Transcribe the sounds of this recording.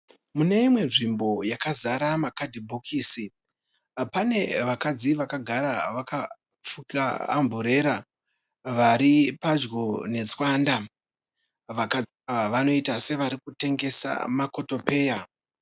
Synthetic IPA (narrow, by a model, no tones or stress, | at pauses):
mune̞imwe̞nʐimbo̞jakazaɾamakadʱibʱokʰiːsi | pane̞ʋakad͡ziʋakaɡʱaɾaʋaka | fuka̰ːmbʱuɾe̞ɾa | ʋaɾipad͡ʒɡone̞d͡zwanda | ʋaka | ʋaʋano̞itase̞ʋaɾikute̞ŋɡe̞sa̰mako̞to̞pe̞ːja